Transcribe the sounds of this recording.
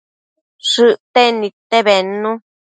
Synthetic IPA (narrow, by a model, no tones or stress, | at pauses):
ʂɨʔt̪enĩt̪eβenũ